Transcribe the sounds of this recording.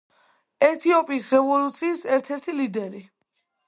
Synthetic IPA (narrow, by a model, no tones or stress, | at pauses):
ɛt̪ʰiɔpʼiːsɾɛvɔlut̪sʰiːsɛɾt̪ʰɛɾt̪ʰilid̪ɛɾi